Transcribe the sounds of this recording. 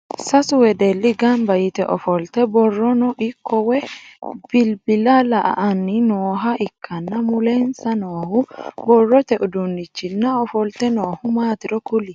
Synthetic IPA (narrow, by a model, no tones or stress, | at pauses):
sɐsʊwɛd̪ɛlːɪɡɐmbɐjɪt̪ɛʔɔfɔlt̪ɛbɔrːɔnɔʔɪkːɔwɛb̥ɪlbɪlɐlɐʔɐ̰ʔɐnːɪnoːɦɐʔɪkːɐnːɐmʊlɛnsɐnoːhʊbɔrːɔt̪ɛʔʊd̪ʊnːɪt͡ʃːɪnːɐɔfɔlt̪ɛnoːhʊmaːt̪ɪɾɔkʊlɪ